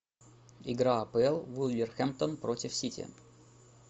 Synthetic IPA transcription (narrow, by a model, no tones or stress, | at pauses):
ɪɡɾaɐpəɛlˠvulʲlʲɪrxɛmp̚t̪onpɾotʲɪfsʲitʲɪ̰